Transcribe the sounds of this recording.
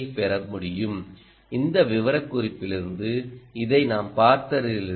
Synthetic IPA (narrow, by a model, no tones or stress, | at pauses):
ɪpɛɾɐmʊɽɪjɯm | ɪnd̪ɐʋɪʋɐɾɐkːʊrɪpːɪlɪɾɯnd̪ɯɪðɐɪnaːmpaːɾt̪ɐɾɪlɪ